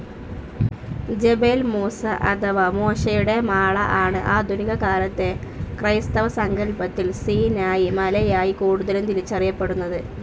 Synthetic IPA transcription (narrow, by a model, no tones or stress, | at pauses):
d͡ʑe̞belmuːsɐʔɐ̰t̪ʰɐʋɐmoːʂɐjuɽe̞maːɭɐ̰ʔaːɳɨʔaːd̪ʱuniɡɐkaːlɐt̪ːe̞krɐjst̪ɐʋɐsɐŋɡɐɭpɐt̪ːilsiːnaːjimɐlɐjaːjikuːɽuðɐlumt̪ilit͡ɕːɐrijɐpːe̞ɽunːɐðɨ